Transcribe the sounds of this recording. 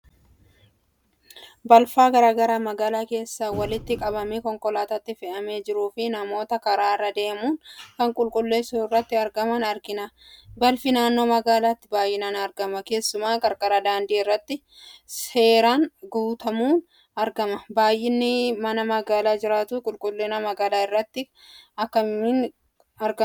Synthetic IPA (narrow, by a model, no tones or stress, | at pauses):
bɐlfaːɡɐɾaːɡɐɾaːmɐɡaːlaːke̞ːsːawɐlɪt̪ːɪkʼɐbɐmiːkɔŋkʼɔlaːt̪ɐt̪ːɪfɛʔɐmeːd͡ʒɪɾuːfɪnɐmo̞ːt̪ɐkɐɾaːrːɐd̪e̞ːmuːnkɐŋkʼʊlkʼʊlːe̞ːsuɪrːɐt̪ːɪɐɾɡɐmɐnɐɾɡɪnabɐlfɪnaːnːo̞ːmɐɡaːlaːt̪ːɪbaːjʔɪnaːnɐɾɡɐmɐke̞ːsːʊmaːkʼɐɾkʼɐɾɐd̪aːnd̪iːɪrːɐt̪ːɪ | se̞ːɾaːnɡuːt̪ɐmuːn | ɐɾɡɐmɐbaːjʔːɪnːɪmɐnɐmɐɡaːlaːd͡ʒɪɾaːt̪uːkʼʊlkʼʊlːeːnɐmɐɡaːlaːɪrːɐt̪ːɪ | ɐkːɐmɪn | ɐɾɡɐ